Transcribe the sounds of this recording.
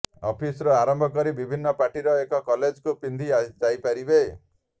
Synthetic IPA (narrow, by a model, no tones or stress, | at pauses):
ɔpʰisɾɔaɾɔmbʱɔkɔɾibibʱinːɔpaʈiɾɔekɔkɔled͡ʒkupind̪ʱiad͡ʒajpaɾibe